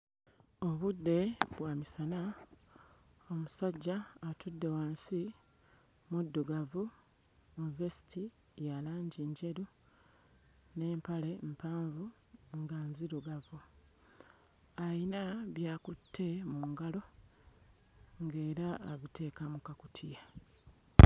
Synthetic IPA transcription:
o̞βudːe̞βwaːmisana | omusaɟːaːtʰudːe̞waːnsi | mudːuɡavu | univesi̥ti | jalaːɲɟiɲɟe̞ɾu | ne̞ːmpale̞mpaːɱvu | ŋɡanziɾuɡavu | ainaβjaːkutːe̞muŋɡalo̞ | ŋɡe̞ːɾaːβitʰe̞ːkamukakutʰija

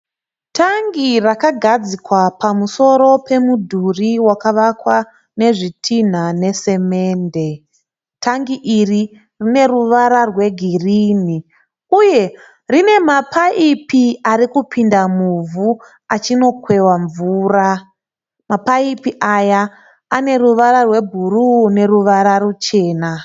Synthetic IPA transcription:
tʰaŋɡirakaɡʱad͡zikwapamuso̞ɾo̞pe̞mudʱuriwakaʋakwa | ne̞ʐitʰin̤ane̞se̞me̞ːnde̞ | taŋɡiʔiri | rine̞ruʋaɾarwe̞ɡʱiriːni | uje̞ | rine̞mapʰaipiarikupʰindamuvu | at͡ʃino̞kwe̞waɱvuːra | mapaipiʔajaː | ne̞ruʋaɾarwe̞bʱurune̞ruʋaɾarut͡ʃe̞ːna

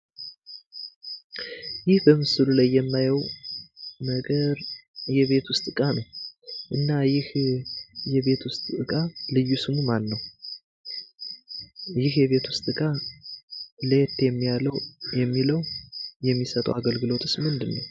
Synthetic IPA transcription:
jɪhbəmɨsɨlulajːɛmːajɛw | nəɡəɾjɛβe̞t̪ʰwʊst̪ʼɨkʼanəwʔɨnːajɪh | jɛβe̞t̪ʰwʊst̪ʼɨkʼalɨjːusɨmumanːəw | jɪhjɛβe̞t̪wʊst̪ʼɨkʼa | let̪jɛmːijaləwjɛmːiləwjɛmːisət̪ʼə̰waɡəlɡɨlo̞t̪ʼɨsmɨnd̪ɨnːəw

